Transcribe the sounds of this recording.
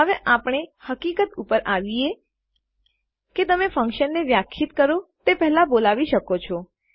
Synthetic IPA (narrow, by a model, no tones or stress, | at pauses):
ɦəʋeʔapɳ̃ehəkikət̪upəɾʔaʋie | ket̪əmefə̃ŋkʃənːeʋjakʰʃit̪kəɾot̪epɛɦlabolaʋiʃəkot͡ʃʰo